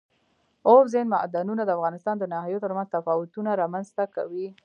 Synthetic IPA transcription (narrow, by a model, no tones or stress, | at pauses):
oɾzenmaʔd̪anunad̪əafɣɑnɪst̪ɑnd̪ənɑɦajot̪əɾmanzt̪afɑwʊt̪unaɾɑmanzt̪aka̰wi